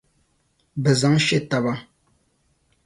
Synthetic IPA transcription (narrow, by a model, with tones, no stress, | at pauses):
bə˨za˨˦ŋʃe˦˨ta˨ba˦ŋ